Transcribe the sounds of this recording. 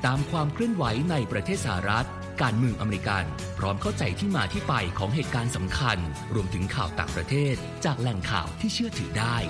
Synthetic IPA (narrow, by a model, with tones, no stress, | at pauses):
t̪aː˧mkʰwaː˧mkʰlɯ˥˩ənwa˩˦jna˧jpɾa˧t̪ʰeː˥˩sa˧ha˧˩ɾa˦˥t̪̚ | kaː˧nmɯ˧əŋʔa˧me˧ɾi˧ka˧n | pʰɾɔː˦˥mkʰa˥˩wt͡ɕa˧jt̪ʰiː˥˩maː˧t̪ʰiː˥˩pa˧jkʰɔː˩˦ŋɦeː˨˩t̪̚kaː˧nsa˩˦mkʰa˧n | ɾu˧əmt̪ʰɯ˩˦ŋkʰaː˨˩wt̪a̰ː˨˩ŋpɾa˧t̪ʰeː˥˩t̪̚t͡ɕaː˨˩k̚lɛ˨˩ŋkʰa̰ː˨˩wt̪ʰiː˥˩t͡ɕʰɯ˥˩ət̪ʰɯ̰ː˨˩˦daː˥˩j